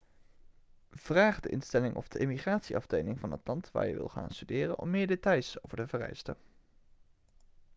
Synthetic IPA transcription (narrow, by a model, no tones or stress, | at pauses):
v̥raːχdəʔɪnstɛlɪŋʔɔ̰fd̥əʔɪmiχraːtsiɑfdejnɪŋvɑnətlɑntʋa̰ːɹjə̰ʋɪ̰lˠχa̰ːnstydɪːrənɔ̰mːɪːɹdetɑjsowvəɹtəvərɛ̰jstə̰n